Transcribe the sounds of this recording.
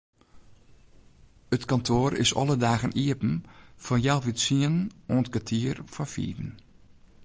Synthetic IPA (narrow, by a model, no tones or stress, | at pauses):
ətkɔntʰoːɾɪ̰sɔ̰lˠədaːɣəniəpn̩fɔnjalˠʋitsiənnoːntkatʰiərfɔfḭːdn̩